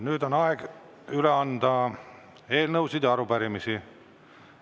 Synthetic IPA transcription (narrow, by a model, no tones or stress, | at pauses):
nyːd̪o̞nɑeɡ̥ | yleɑnd̪̥ɑ | e̞ːlnɤwsid̪̥jɑɑɾupæɾimisi